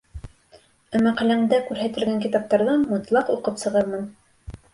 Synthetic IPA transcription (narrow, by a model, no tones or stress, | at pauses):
ɘmæqælæŋd̪ækʉɾɦæt̪ɘ̆lɡæŋkit̪ɑp̚t̪ɑɾðɤmŏt̪lˠɑquqɤpsɤ̆ʁɤɾmɤn